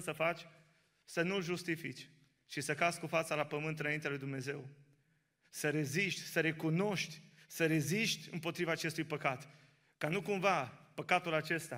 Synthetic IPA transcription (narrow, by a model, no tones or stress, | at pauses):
səfat͡ʃʲ | sənulʒust̪ifit͡ʃʲ | t͡ʃisəkatskufat̪səlapəmɨnt̪ɨnaint̪ealujd̪umne̞ze̞w | səɾe̞ziʃt̪ʲsəɾe̞kuno̞ʃt̪ʲsəɾe̞ziʃt̪ʲɨ̰mpo̞t̪ɾivaːt͡ʃe̞st̪ujpəkat̪ | kanukumvapəkat̪ulat͡ʃe̞st̪a